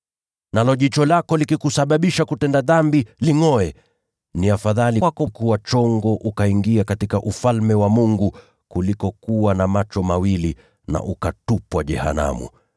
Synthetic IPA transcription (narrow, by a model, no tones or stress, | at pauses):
nalɔʄit͡ʃɔlakɔlikikusaɓaɓiʃakutɛndaðambiliŋɔɛ | niafaðaliwakɔkuwat͡ʃɔŋɡɔʔukaiŋɡiakatikaʔufalmɛwamuŋɡu | kulikɔkuwanamat͡ʃɔmawili | na̰ʔukatupwaʄɛ̰ha̰na̰mṵ